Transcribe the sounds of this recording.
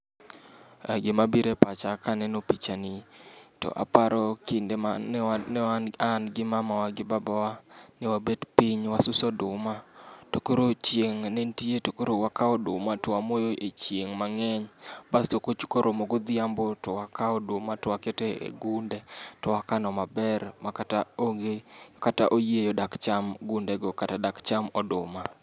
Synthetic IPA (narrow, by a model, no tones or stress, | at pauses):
aɡɪmabiɾepat͡ʃakanɛnopit͡ʃanɪtɔ̰ʔa̰paɾɔkɪnde | nɛaanɡɪmamawaɡɪbabawanɛwabedpiɲwasʊsɔdʊmatokoɾot͡ʃjeŋnentietokoɾowakaɔdʊmatɔwamojoʔet͡ʃjeŋmaŋɛɲbastokot͡ʃkoɾʔomoɡod̪ɪambotɔwakʰaɔdʊmatɔwaketɛḛɡundetɔwakanɔmabɛrmakataoŋɡekata̰ʔojejodakt͡ʃamɡʊndɛɡokatadakt͡ʃamɔdʊma